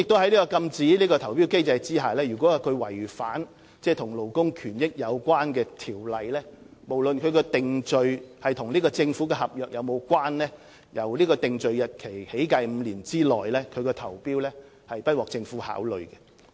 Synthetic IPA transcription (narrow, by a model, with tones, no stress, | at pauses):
jɪ˨k̚t̪o˥ɐ˥jliː˥kɔː˧kɐ˧mt͡siː˨˥liː˥kɔː˧t̪ʰɐ˨˩wpi˥wke˥jt͡sɐ˧jt͡siː˥ɦaː˨lɛː˥jyː˨˩kʷwɔː˨˦˥kʰɵ˨˧ɥwɐ˨˩jfaː˨˥n | t͡sɛː˧˩t̪ʰʊ˨˩ŋlo˨˩wkʊ˥ŋkʰyː˨˩njɪ˥k̚jɐ˨˧wkʷwaː˥nkɛː˧t̪ʰiː˨˩wlɐ˨jlɛː˥mo˨˩wlɵ˨nkʰɵ˨˧ɥkɔː˧t̪ɪ˨ŋt͡sɵ˧ɥhɐ˨jt̪ʰʊ˨˩ŋliː˥kɔː˧t͡sɪ˧ŋfu˨˦˥kɛː˧hɐ˨p̚jœː˨k̚jʔɐ˨˧wmo˨˧wkwaː˥nlɛː˥ | jɐ˨˩wliː˥kɔː˧t̪ɪ˨ŋt͡sɵ˨ɥjɐ˨t̚kʰe˨˩jhe˨˥jkɐ˧jm̩˨˧liː˨˩nt͡siː˥lɔ̰ː˨jlɛː˥kʰɵ˨˧ɥkɛː˧t̪ʰɐ˨˩wpiː˥wlɛː˥ | hɐ˨jpɐ˥t̚wɔː˨k̚t͡sɪ˧ŋfuː˨˥ha̰ː˨˥wlɵ˨ɥɡɛ˧